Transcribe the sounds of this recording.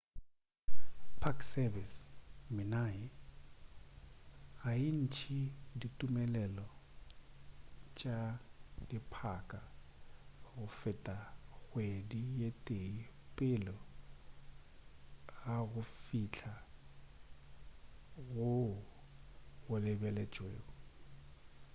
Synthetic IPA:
pʰaksɛvismɪnajɪ | ain̩t͡ʃʰiditʼumɛlɛlɔ | t͡ʃʼadipʰakʼa | ɣʊfɪtʼaɣwedijetʼeipʼɪlɔ | ɣaɣʊfit͡ɬʰa | ɣʊ | ɣʊlɪbɛlɛt͡ʃʼwḛːɣɔ

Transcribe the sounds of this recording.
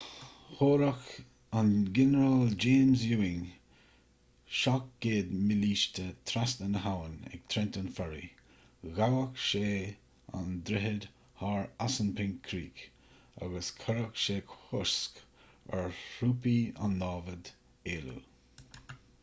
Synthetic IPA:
hoːɾak | anɡɛnəɾald͡ʒeːmzjuːɪŋ | ʃak̚ɡ̥eːd̪mɪliːʃtət̪ʰɾastənəɦawənɛ̰ɡ̥̚t̪ʰɾɛntənfɛɹḭ | ɣawəkʃeː | a̰nd̪ɾɪɦəd̪ | haːɹasənpʰɪŋkʰːɾḭːk | a̰ɡəskʰaɾakʃeːkhʊɹsk | ɛ̰ɹhuːpia̰nːɑːvəd | eːlṵ

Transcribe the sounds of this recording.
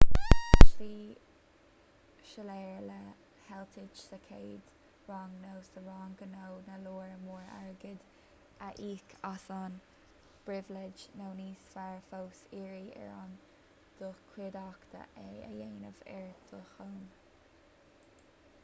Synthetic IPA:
ʃliː | ʃəlɛːɹlə | hɛlt̪ʰɪd͡ʒsəkʰeːd̪ | ɹɑːŋnowsəɹɑːŋɡənownəluːɹmuːɹa̰ɹɡɪd̪ | əʔiːkʰasɑn | b̥ɹɪvlɪd͡ʒnowniːsfaɹfowsiːɹiʔɛ̰ɹɑ̰n | d̪̥uːkʰwɪd̪ɑkt̪ə̰ʔɛəjeːnəvɛ̰ɹd̪ʰuːxoːn

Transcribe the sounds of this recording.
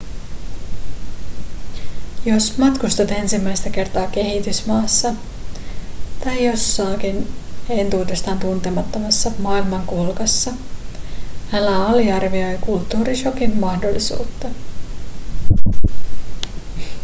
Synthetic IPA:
jo̞smɑt̪kust̪ut̪e̞nsimːæjst̪æke̞rt̪ɑːk̟e̞ɦit̪ysmɑːsːɑ | t̪ɑjjo̞sːɑːkine̞nt̪uːdest̪ɑːnt̪unt̪e̞mɑt̪ːomɑsːɑmɑːilmɑŋkulkɑsːɑ | ælːæɑliɑrʋio̞jkult̪ːuːɾiʃo̞kimmɑhdo̞lːisṵːt̪ːɑ

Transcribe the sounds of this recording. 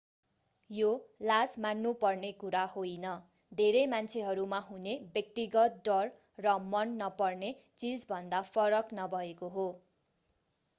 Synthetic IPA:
jolad͡zmanːupʌrnekuɾahojnʌ | d̪ʱeɾemant͡sʰeɦʌɾumaɦunebjʌk̚t̪iɡʌt̪̚d̪ʌrː | ʌmʌnːʌpʌrnet͡sid͡zbʱʌnd̪apʰʌɾʌknʌbʱʌekoɦo

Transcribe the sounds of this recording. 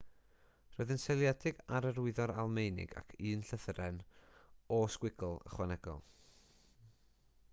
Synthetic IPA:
rɔɨðɪnsɛlˠjɛdɪɡaɾəɾʊɨðɔɾalˠmejnɪ̰ɡa̰kʰɨːnɬəθəɾɛn | ɔskwɪɡlˠə̰χwanɛɡ̥ɔ̰lˠ

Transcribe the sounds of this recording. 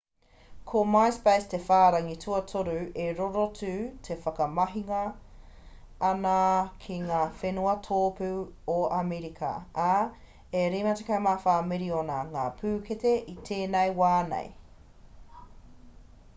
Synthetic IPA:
kʰomajspejstefaːɾɐŋitʰuɐtʰoɾʉeɾoɾot͡sʉːtʰefɐkɐmɐɦiŋɐ | nɐkʰiŋaːfenuɐtʰoːpʉoameɾikʰɐ̰a | eɾimɐtekajmaːfaːmiɾionɐŋaːpʰʉːketeʔitʰeːnejwaːnḛj

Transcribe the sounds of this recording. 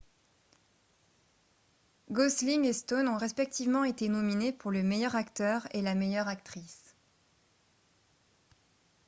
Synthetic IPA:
ɡɔslimest̪onɔ̃ʁɛspɛk̚t̪ivmɑ̃et̪enɔminepuʁləmejœʁakt̪œʁelamejœʁakt̪χis

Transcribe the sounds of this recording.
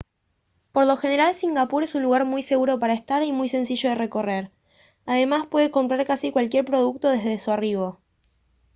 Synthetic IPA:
po̞ɾlo̞xe̞ne̞ɾalsiŋɡapuɾe̞sunluɣaɾmujse̞ɣuɾo̞paɾaest̪aɾimujse̞nsiʒo̞ð̞ere̞ko̞re̞ɾ | aðe̞maspwe̞ðe̞ko̞mpɾaɾkasikwalkje̞ɾpɾo̞ð̞uk̚t̪o̞ðe̞zðe̞suariβo̞

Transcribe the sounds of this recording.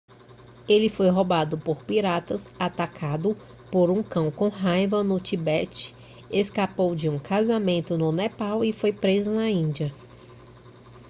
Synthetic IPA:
elɪfojɦobad̪ʊpoɾpiɾat̪ɐsat̪akʰad̪ʊ | poɾũkɐ̃w̃kõɦajvɐnʊt͡ʃibɛt͡ʃɪ̥ | eskapowd͡ʒɪũkazamẽnt̪ʊnʊnɛpawɪfojpɾezʊnɐĩd͡ʒiɐ

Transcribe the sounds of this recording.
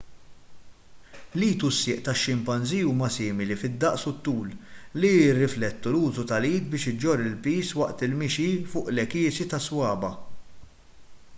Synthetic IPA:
liːt̪usːɪːʔt̪ɐʃːɪmpɐnziuːmɐsɪːmɪlifɪd̪ːɐʔsʊt̪ːuːlliɪrːɪflɛt̪ːuluːzut̪ɐliːt̪̚bɪːʃɪd͡ʒːɔɾːɪlpiːswɐʔt̪ɪlmɪʃifʊːʔlɛkɪːsit̪ɐswɐːbɐ

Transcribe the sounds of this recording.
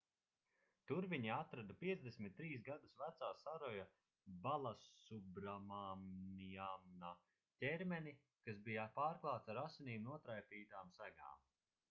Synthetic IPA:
t̪uɾviɲiat̪ɾad̪apiɛzd̪esmʲit̪̚ːɾiːs̬ɡad̪usvæt̪saːsaɾɔja | balˠasubɾamamiamna | tʲɛɾmɛni | kasbijapaːɾklˠaːwt̪saɾasiniːmnuɔt̪ɾajpiːt̪aːmsæɡa̰ːm

